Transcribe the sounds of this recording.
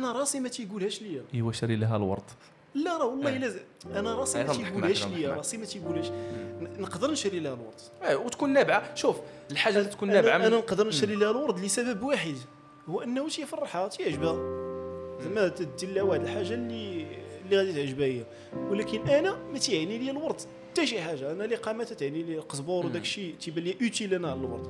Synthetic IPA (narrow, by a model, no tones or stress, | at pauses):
ʔænæɾˤɑsimæt̪ijɡulhæʃləjːæʔəwæʃɾilɦæ̰lwɑ̰ɾˤd̪ˤ | lːæɾˤɑwɑlˤːɑilæzʔænæɾˤɑsˤimæt̪jɡuhæʃləjæɾɾˤɑsˤimæt̪ijɡulhæʃnəqd̪əɾnʃɾilhælwɑ̰ɾˤd̪ˤ | wt̪kunːæbʕaʃuf | lħaʒːalt̪kunːænʕaænænəqd̪əɾnʃɾilhælwɑɾˤd̪ˤləsæbəbwaħəd̪ | huːæʔənːhut̪ijfɑrˤːħat̪ijʕəʒbæ | zəmːæt̪d̪əlːæwaħd̪əlħaʒːalːilːiɣæd̪it̪ʕəʒbæhəjːæ | wəlækənʔænæmæt̪ʕniləjælwɑɾˤd̪ˤ | t̪æʃiħaʒːaʔænæliqɑmæt̪æt̪ʕnililqəsbɑɾˤwd̪ækʃit̪ibæljæʔut̪ilænæʕlælwɑ̰ɾˤt̪ˤ